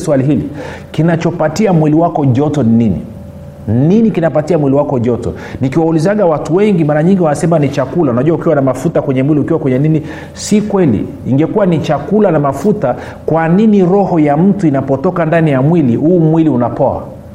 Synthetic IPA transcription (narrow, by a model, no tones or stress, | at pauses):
swaliɦilḭ | kinat͡ʃɔpatiamwiliwakɔʄɔtɔnininḭ | nninikinapatiamwiliwakɔʄɔtɔ̰ | nikiwaulizaɠawatuwɛŋɡimaɾaɲiŋɡiwanasɛmanit͡ʃakulaunaʄuwaukiwanamafutakwɛɲɛmwiliukiwakwɛɲɛnini | sikwɛlḭːŋɡɛkuwanit͡ʃakulanamafuta | kwaniniɾɔhɔjam̩tuinapɔtɔkandanijamwilihuːmwiliunapɔa̰